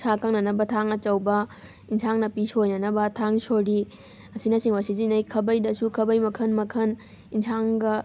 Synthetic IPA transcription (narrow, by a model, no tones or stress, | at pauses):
sakʰɐŋnɐnɐbɐtʰaŋɐt͡ʃɐwbɐ | insʰaŋnɐpisojnɐnɐbɐtʰaŋsoɾi | ɐsinɐsiŋwasizinɐjkʰɐbɐjdɐsukʰɐbɐjmɐkʰɐnmɐkʰɐn | insʰaŋɡɐ